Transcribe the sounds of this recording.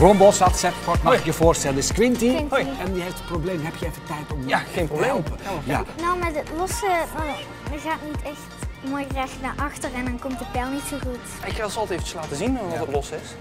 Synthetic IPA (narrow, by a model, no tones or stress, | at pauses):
brɔmbɔsɑtsɛtkɔtmɑxɪkjəvʊːrstɛləɪskʋɪntiɛnjəɦeftətproblejmɦɛpjəɛfətɛjtɔmaxejnprobleməja̰nowmadətlɔsə | əɣaːtnitɛxtmoːjrɛxtnaɹʔɑxtərɛndɑnkɔmtdəpɛlˠnitsoɣut | ɪkʋɪlˠsɔlˠtefə̥t͡ʃə̥slaːtəzinɔətlɔsɪs